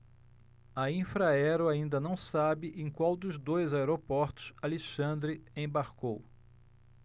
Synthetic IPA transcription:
ɐĩfɾaɛɾʊaĩnd̪ɐnɐ̃w̃sabɪʔẽkwawd̪ʊzd̪ojzaeɾopɔɾt̪ʊ̥saliʃɐ̃nd̪ɾɪẽj̃baɾkow

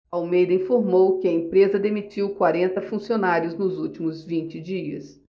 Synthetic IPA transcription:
awmejd̪ɐĩfoɾmowkɪɐẽpɾezɐd̪emit͡ʃiwkwaɾẽnt̪ɐfũsionaɾjʊznʊzuwt͡ʃimʊzvĩnt͡ʃɪd͡ʒiɐ̰s

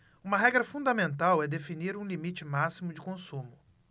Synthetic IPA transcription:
ũmɐɦɛɡɾɐfũd̪ɐmẽnt̪awɛd̪efiniɾũlimit͡ʃɪmasimʊd͡ʒɪkõsũmʊ

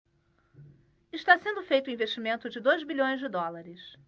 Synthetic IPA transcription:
ɪʃt̪asẽnd̪ʊfejt̪ʊĩveʃt͡ʃimẽnt̪ʊd͡ʒɪd̪ojzbiʎõj̃zd͡ʒɪd̪ɔlaɾɪs

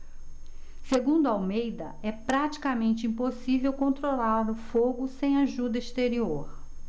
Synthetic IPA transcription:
seɡũd̪ʊawmejd̪ɐɛpɾat͡ʃi̥kamẽnt͡ʃɪĩposivewkõnt̪ɾolaɾlʊfoɡʊsẽj̃aʒud̪ɐist̪eɾioɾ

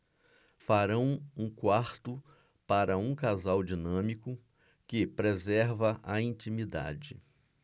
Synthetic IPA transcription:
faɾɐ̃w̃ũkwaɾt̪ʊ | paɾɐũkazawd͡ʒinɐ̃mikʊ | kɪpɾezɛɾvɐʔɐĩnt͡ʃĩmid̪a̰d͡ʒɪ

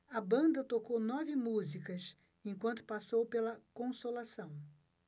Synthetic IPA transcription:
ɐbɐ̃nd̪ɐt̪okownɔvɪmuzikɐs | ẽŋkwɐ̃nt̪ʊ̥pasowpelɐkõsolasɐ̃w̃

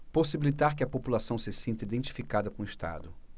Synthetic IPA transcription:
posibilit̪aɾkɪɐpopulasɐ̃w̃sɪsẽnt̪ɐid̪ẽnt͡ʃi̥fikad̪ɐkõiʃt̪a̰d̪ʊ

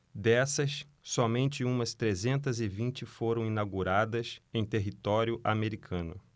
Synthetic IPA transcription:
d̪ɛsɐs | sɔmẽnt͡ʃɪũmɐst̪ɾezẽnt̪ɐzɪvĩt͡ʃɪfoɾɐ̃w̃inawɡuɾad̪ɐsẽj̃t̪eɦit̪ɔɾjʊʔameɾikʰɐ̃nʊ

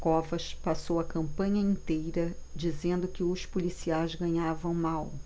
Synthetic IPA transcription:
kɔvɐʃpasowɐkɐ̃mpɐ̃ɲɐĩnt̪ejɾɐd͡ʒizẽnd̪ʊkɪʊʃpulisiajzɡɐ̃ɲavɐ̃w̃maw

